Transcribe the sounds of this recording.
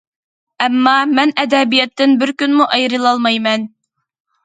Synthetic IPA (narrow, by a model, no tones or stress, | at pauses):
ɛmːɑmɛnɛd̪ɛbijɛt̪ːɪnbɪɾkʲynmuʔɑjɾɨlˠɑlˠmɑjmɛn